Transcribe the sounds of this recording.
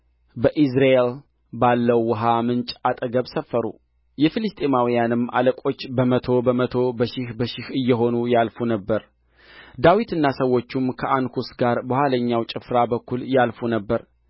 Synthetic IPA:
bəʔis̬ɾaʔel | balːəwːɔɦamɨnt͡ʃʼat̪ʼəɡəβsəfːəɾṵ | jɛfilɨst̪ʰʼemawijanɨmːa̰ləkʼo̞t͡ʃːbəmət̪ʰo̞bəmət̪ʰo̞bəʃɪhbəʃɪhɨjːɛɦo̞nujalfunəbːəɾ | d̪awit̪ɨnːasəwːo̞t͡ʃːumkʰəʔankʰusɡaɾbəhʷaləɲːawt͡ʃʼɪfɾabəkːuljalfunəbːəɾ

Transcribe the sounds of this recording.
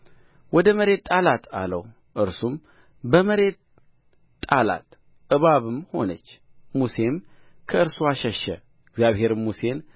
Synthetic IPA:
wɔd̪əməɾe̞t̪ːʼalat̪ʰa̰ləw | ʔɨɾsum | bəməɾe̞t̪ʼː | ala̰t̪ | ɨβaβɨmho̞nət͡ʃː | muse̞m | kʰəɨɾsuaʃɛʃːɛ̰ | ɪɡzjaβhe̞ɾmmuse̞n

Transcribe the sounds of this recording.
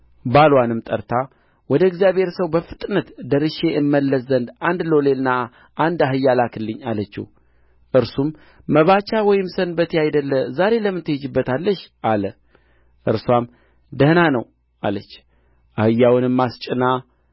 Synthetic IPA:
balwanɨmt̪ʼəɾt̪ʰa | wɔd̪əɨɡzijaβhe̞ɾsəwbəfɨt̪ʼnət̪d̪əɾɨʃe̞ʔɨmːəlːəsənd̪and̪lo̞le̞lna | ʔand̪aɦɨjːalakʰɨlːɨɲːalət͡ʃːḭ | ʔɨɾsumː | əβat͡ʃːawɔjɪmsənbət̪ʰiajd̪əlːəzaɾe̞ləmːɨnt̪ʰɨhɨd͡ʒɨbːət̪ʰalːəʃʔalə | ʔɨɾswam | d̪əhnanəw | a̰lət͡ʃː | ʔahɨjːawɨnɨmːast͡ʃʼɪna

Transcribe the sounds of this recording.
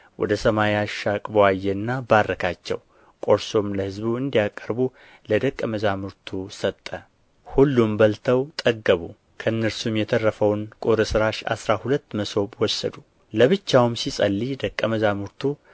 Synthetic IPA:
wʔɔ̰d̪əsəmajaʃakʼbəwajːɛɨnːabarːəkʰat͡ʃːɛ̰w | kʼo̞ɾso̞mləhɨzbuɨnd̪ijakʼːəɾbu | ləd̪əkʼːəməzamɨɾt̪ʰusət̪ʼːə | hulːumbəlt̪ʰəwt̪ʼəɡəβu | kʰəɨnːəɾsumjɛt̪ʰərːəfəwnkʼoɾəsɨɾaʃa̰sɾahulət̪ːməso̞bwɔsːə̰d̪u | ləβɨt͡ʃːawmsisʼəlːid̪əkʼːəməzamɨɾt̪ʰu

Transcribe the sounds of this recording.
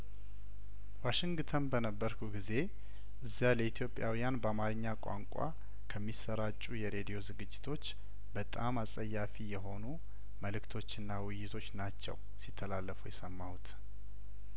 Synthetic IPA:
waʃɪŋɡt̪ʰənbənəbːəɾkʰuɡize̞ | ʔɨzːaləit̪ʰjo̞pʼjawijanbəamaɾɨɲːakʷʼa̰ŋkʼa̰ | kʰəmːisːəɾat͡ʃʼːujɛɾe̞d̪ijo̞zɨɡɨd͡ʒːɪt̪ʰo̞t͡ʃː | bət̪ʼamasʼəjːafijɛɦo̞nu | məlɨkt̪ʰo̞t͡ʃːɨnːawɨjːɪt̪ʰo̞t͡ʃːnat͡ʃːɛ̰w | sit̪ʰːəlalːəfujɛsəmːawut̪ʰ

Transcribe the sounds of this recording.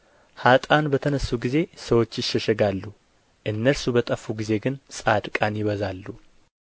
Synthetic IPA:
hat̪ʼanbət̪ʰənəsːuɡize̞səwo̞t͡ʃːjɪʃːɛʃɛɡalːu | ʔɨnːəɾsubət̪ʼəfːuɡize̞ɡɨnsʼad̪kʼanjɪβəzalːu

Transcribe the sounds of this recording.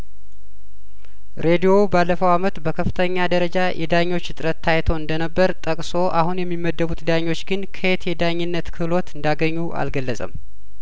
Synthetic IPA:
ɾʔe̞d̪ijo̞balːəfəwamət̪bəkʰəfːɨ̥t̪ʰəɲːad̪əɾəd͡ʒajʔɛ̰d̪aɲːo̞t͡ʃːɨt̪ʼɨɾət̪ʰːajt̪ʰo̞ɨnd̪ənəbːəɾt̪ʼəkʼso̞ʔahunjɛmːimːəd̪ːəβut̪d̪aɲːo̞t͡ʃːɡɨnkʰəet̪jɛd̪aɲːɪnːət̪kʰɨlo̞t̪ɨnd̪aɡəɲːuʔa̰lɡəlːəsʼə̰m

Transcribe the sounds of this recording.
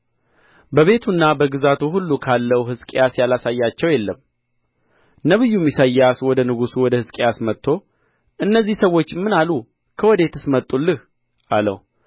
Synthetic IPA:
bəβe̞t̪ʰunːabəɡɨzat̪ʰuɦulːukʰalːəwɦɨskʼejasjalasajːat͡ʃːɛwjɛlːəm | nəβɨjːumjisəjːaswɔd̪ənɨɡusuwɔd̪əhɨskʼejasmət̪ʰːo̞ | ʔɨnːəzːihsəwo̞t͡ʃːmːɨnalu | kʰəwɔd̪e̞t̪ɨsmət̪ʼːulːɨh | ʔalə̰w

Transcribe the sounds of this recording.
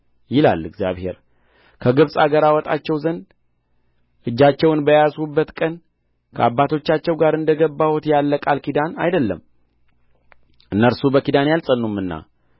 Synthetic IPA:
jɪla̰lːɨɡzja̰βhe̞̰ɾ | kʰəɡɨβsʼaɡəɾawɔt̪ʼat͡ʃːɛwzən | ʔɨd͡ʒːat͡ʃːɛwnbəjasubːət̪kʼən | kʰəabːat̪ʰo̞t͡ʃːat͡ʃːɛwɡaɾɨnd̪əɡəbːahot̪jalːəkʼalkid̪ana̰jd̪əlːə̰m | ʔɨnːəɾsubəkid̪anjalsʼənːumːɨnːa̰

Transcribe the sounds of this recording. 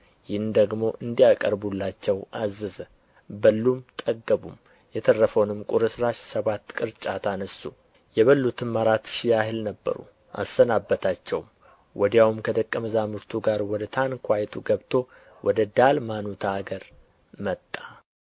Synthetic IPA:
jɪhnd̪əɡmo̞ʔɨnd̪ijakʼəɾbulːat͡ʃːɛwazɨz | bəlːumt̪ʼəɡːəbum | jɛt̪ʰərːəfəwnɨmkʼuɾɨsɾaʃsəβat̪ːkʼɨɾt͡ʃʼat̪ʰanəsu | jɛβəlːut̪ʰɨnmaɾat̪ʃɪjaɦɨlnəbːə̰ɾṵ | ʔa̰sːənabːət̪ʰat͡ʃːɛwm | wʔɔd̪jawumkʰəd̪əkʼːəməzamɨɾt̪ʰuɡaɾwɔd̪ət̪ʰankʰʷajt̪ʰuɡəβt̪ʰo̞ | wʔɔd̪əd̪almanut̪ʰaɡəɾ | mət̪ʼːa

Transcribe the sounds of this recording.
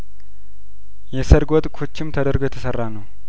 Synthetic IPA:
jɛsəɾɡʷot̪ʼkʰot͡ʃːɪmt̪ʰəd̪əɾɡojɛt̪ʰəsərːanəw

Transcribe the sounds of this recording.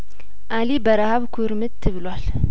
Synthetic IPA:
ʔalibəɾahaβkʰuɾmɨt̪t̪ʰːɨβɨlwal

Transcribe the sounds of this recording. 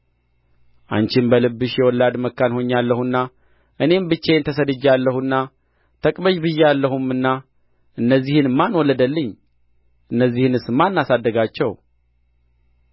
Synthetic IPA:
ʔa̰nt͡ʃɪmbəlɨbːɨʃjɛwɔlːad̪məkːanho̞ɲːalːəhunːa | ʔɨne̞mbɨt͡ʃːent̪ʰəs̬əd̪ɨd͡ʒalːəhunːa | t̪ʰəkʼbəʃbɨjːɛalːəhumɨnːa | ʔɨnːəzːihɨnmːanwɔlːəd̪əlːɨɲː | ʔɨnːəzːihɨnɨsmːanːasad̪ːəɡat͡ʃːɛw

